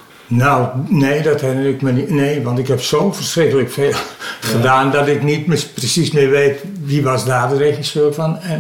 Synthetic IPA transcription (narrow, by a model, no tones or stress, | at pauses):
nowneːdɔthɛnəɪkmənneːʋɔntɪkhɛpsoːfərsrɪkələkfeːlˠχədaːndɔtɪknitmɪprəsismɪʋeːt | ʋiʋɔsdaːdərexisøfɔnɛ